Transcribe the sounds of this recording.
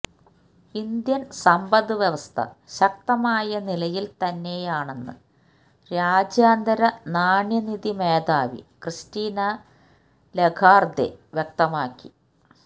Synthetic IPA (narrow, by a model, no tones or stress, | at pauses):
ind̪jɐnsɐmbɐðɨʋjɐʋɐst̪ʰɐ̰ɕɐk̚t̪ɐmaːjɐnilɐjilt̪ɐnːe̞jaːɳe̞nːɨ̰ | ɾaːd͡ʑjaːnd̪ɐɾɐnaːɳjɐniðimeːd̪aːʋḭkrɨstiːnɐ | leɡʰʱaːrd̪ḛʋjek̚t̪ɐmaːkːi